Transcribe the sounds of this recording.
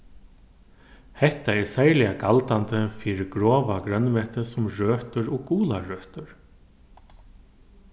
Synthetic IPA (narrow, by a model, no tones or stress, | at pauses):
hɛht̪aɛɹsɛjlɪaɡalt̪ant̪əfiːɾɪɡɾɔːʋaɡɾœnmɛːht̪əsʊmɹøːht̪ʏɹɔkuːlaɹœːt̪ʏɹ